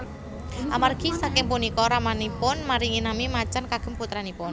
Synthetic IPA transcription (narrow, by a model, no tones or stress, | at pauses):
ʔamarɡ̥isakɪŋpʊnikɔɾamanipʊnmaɾiŋinamimat͡ʃankaɡ̥ə̤mput̪ɾanipʊn